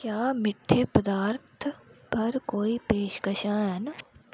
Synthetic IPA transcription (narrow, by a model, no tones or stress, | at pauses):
kjaːmɪʈʰːepəd̪aːɾt̪ʰpɐɾkoːipeːʃkəʃãːɦɛn